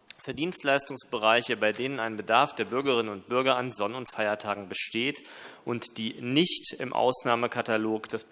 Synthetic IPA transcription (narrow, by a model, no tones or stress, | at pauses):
fɛːɐdiːnstlaɪstʊŋsb̥əʁaɪçəbaɪdeːnənaɪnbədaɐfd̥eːɐbʏɐɡəʁɪnənʊnt̚b̥ʏɐɡɐanzɔnʊntfaɪɐtʰaːɡŋ̩bəʃteːtʔʊntd̥iːnɪçtɪmʔa̰ʊsnaːməkʰataloːkd̥as